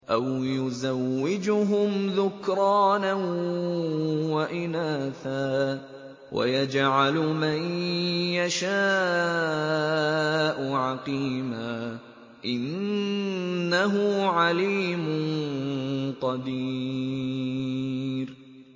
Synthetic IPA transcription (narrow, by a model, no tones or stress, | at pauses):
ʔawjʊzawːɪd͡ʒʊɦʊmðʊkɾˤɑːna | waʔɪnaːθaː | wʔa̰jad͡ʒʕalʊmanjaʃaː | ʔʊʕɑqiːmaː | ʔɪn | aɦʊʕaliːmʊnnqɑd̪iː | ɾ